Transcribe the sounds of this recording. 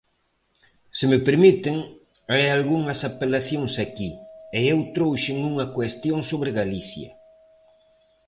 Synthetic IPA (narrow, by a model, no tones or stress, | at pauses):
sɪmɪpeɾmit̪ɪŋ | ajalɣuŋɐsapelaθjoŋsakieewt̪ɾowʃɪŋuŋɐkwest̪joŋsoβɾɪɣaliθjɐ̰